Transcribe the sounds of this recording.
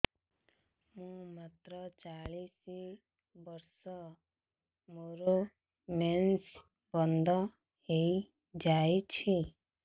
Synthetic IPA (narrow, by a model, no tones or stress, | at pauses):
mũmat̪ɾɔt͡ʃaɭisi | bʌɾsɔ | moɾo | mens | bɔnd̪ʱɔ | ɦei | d͡ʒait͡ʃʰi